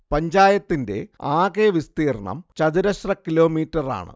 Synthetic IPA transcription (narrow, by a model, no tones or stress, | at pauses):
pɐɲd͡ʑaːjɐt̪ːinde̞̰aːkeːʋist̪iːrɐɳɐ̰mt͡ɕɐðiɾɐɕrɐkilo̞ːmiːtːɐra̰ːɳɨ̰